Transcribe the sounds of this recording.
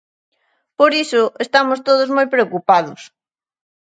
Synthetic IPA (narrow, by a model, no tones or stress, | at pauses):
poɾisʊest̪amʊst̪oð̞ʊzmojpɾeokupaðʊs